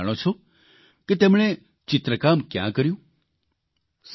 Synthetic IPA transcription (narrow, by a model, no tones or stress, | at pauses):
ɽ̃ot͡ʃʰo | ket̪ɛmɳ̃e | t͡ʃɪt̪ɾəkamkjã̰kəɾjũ | s